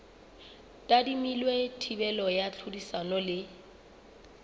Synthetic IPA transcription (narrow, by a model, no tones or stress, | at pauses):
tʼadimilwetʰibɛlɔjat͡ɬʰudisanɔlɪ